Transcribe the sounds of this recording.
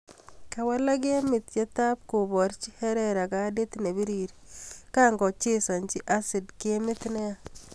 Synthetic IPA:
ka˨wa˦la˦k̬e˦mɪ˨t̪t͡ʃe˦t̪a˦p̚ko˨bɔ˨ɾt͡ʃi˦hɛ˦ɾɛɾa˨ka˦de˦t̪ne˨bi˦ɾiɾika˦ŋɡɔ˨t͡ʃe˦sa˨ɲt͡ʃi˦ʔasɪ˨dkemɪ˦t̪nɛ˦a˦

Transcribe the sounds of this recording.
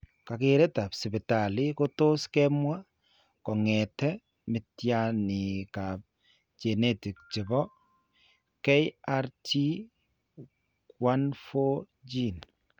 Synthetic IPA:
ka˨kɪ˨ɾɛ˦ta˨psɪ˨bɪ˨ta˨li˦ko˦to˦skɛmwa˦ | kɔ˨ŋɛ˨tɛ˦ | mɪ˨tja˦nɪ˨ka˨p̚ | t͡ʃe˨ne˦ti˨k̚t͡ʃɪ˨bɔ˦ | kɛ˦ja˦ɾti˦ | kwa˦nfo˦ | d͡ʒi˦n

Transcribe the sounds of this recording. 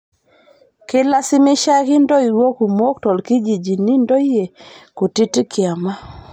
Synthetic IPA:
kɪ˦la˦sɪ˦mɪ˦ʃa˦kɪ˦ndɔ˦i˨ɾwo˦ku˨mo˦k̚tɔ˨lki˦d͡ʒi˨d͡ʒi˨ni˦ndɔ˦i˦je˨ku˨ti˦ti˦kɪ˨a˨ma˦

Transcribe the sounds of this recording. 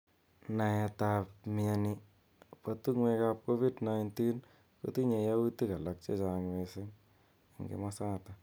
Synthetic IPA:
na˨ja˧tapmiani | patu˦ŋwe˦kap̚ko˦fi˦dnajnti˦n | ko̰ti˦ɲe˧jawuti˦ka˨la˨k̚t͡ʃe˦t͡ʃaŋwesɪ˦ŋ | a˨ŋɡḛ˨masaː˦ta˨

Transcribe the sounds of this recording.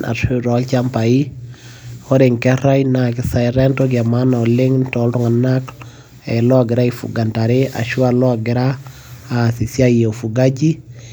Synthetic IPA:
nʔa̰˨tiɾɔ˨lt͡ʃampa˨i | hɔ˦ɾe˨ŋkɛ˦ɾa˦jna˨kɪ˦sa˨jɾɛntɔɡia˨ma˦na˨lɪ˦ŋntɔlɾɔ˦ŋa˨nak | ɛlɔ˦aɡɪ˨ɾa˦ifṵ˨ɡa˨nta˨ɾea̰˨ʃwalɔ˦aɡɪ˨ɾaː | si˨sja˦je˨fu˨ɡa˦d͡ʒi˦

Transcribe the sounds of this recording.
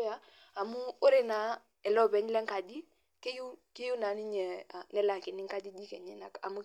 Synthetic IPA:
ja˦ | a˨mu˦o˦ɾe˨na˨˦ | ɛ˨lɔ˦˨bɛ˨ɲ˦lɛ˦ŋ˦ka˨d͡ʒi˦ | ke˦ju˦ke˦ju˦na˨˦ni˦ɲɛ˨a˨nɛ˦la˨kɪ˨ni˦ŋ˦ka˦d͡ʒi˦d͡ʒi˦kɛ˨ɲɛ˦na˨ka̰˨mu˦

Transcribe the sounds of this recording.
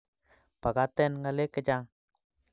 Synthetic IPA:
pa˨ɡa˦t̪e˦˨nŋɡa˧le˦ka˦d͡ʒa˧ŋ

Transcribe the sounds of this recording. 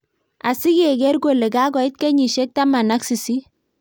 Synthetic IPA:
a˨si˦ɡe˨ɡɛ˦rɡo˨le˨ɡa˦ɡɔ˨ɪ˦t̚ke˦ɲi˨ʃe˦k̚ta˦ma˨na˦ksi˨si˦

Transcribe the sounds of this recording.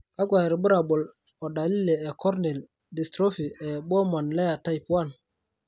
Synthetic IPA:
ka˦ɡwa˨ɾbu˦ɾa˨bo˨l | ɔ˨da˨li˦le˨ɛ˨kɔ˦ɾnɛ˨l | di˨stɾo˦fi˨ɛ˨ɓo˦ma˨nle˦ja˨ta˦jpu˦a˦˨n

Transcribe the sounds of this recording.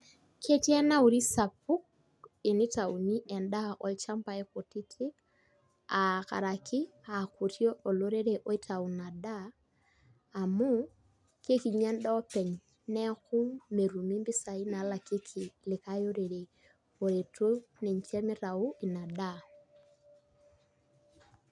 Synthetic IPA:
kʰe˦ti˦ɛ˦na˦u˨ɾi˦sa˨p̚u˦k̚ | e˨ni˦ta˨u˨ni˦ʔɛ˨nda˦ʔɔ˨lt͡ʃa˦mpa˨ɛ˦ko˨ti˦tʰɪ˦ | a˨ka̰˨ɾa˨kʰɪ˦a˨ku˨tjɔ˦ɔ˨lo˦ɾe˦ɾe˨ʔɔ˦i˦tʰa˨u˨na˨da˦˨ | mu˦ | ke˦ki˨ɲa˦n˦da˦ɔ˦pɛ˨ɲ | nɛ˦kʊ˦me˨ɾu˨mi˦mbɪ˦sa˨i˦na˨˦la˨ke˦kʰi˨lɪ˨ka˦jo˦ɾe˨ɾe˨ | o˨ɾe˨to˦nɛ˨ɲ˨t͡ʃɛ˦mɪ˦ɾa˨u˦ɪ˨na˨da˦

